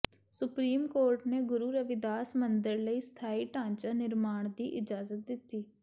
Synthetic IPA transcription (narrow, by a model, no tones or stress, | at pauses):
sʊpɾiːmkoːɾʈneːɡʊɾuːɾəʋɪd̪aːsmənd̪əɾləiːst̪ʰaːiːʈãːɲt͡ʃaːnɪɾmaːɳ̃d̪iːʔɪd͡ʒaːzət̪̚d̪ɪt̪ːiː